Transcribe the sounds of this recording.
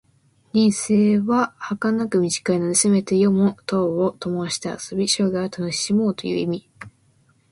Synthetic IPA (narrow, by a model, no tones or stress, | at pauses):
ɾʲĩɰ̃se̞ːβahakanakɯ̟mʲiʑi̥kainoniseme̞t̪e̞jomot̪oːot̪o̞moɕi̥t̪ea̰so̞bʲiɕo̞ːɡaat̪ʰanoimo̞ːt̪o̞jɯ̟̰ːimʲi